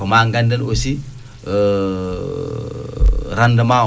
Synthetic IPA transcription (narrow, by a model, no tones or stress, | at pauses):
ɔmaŋɡandɐlosi | ɾandɐma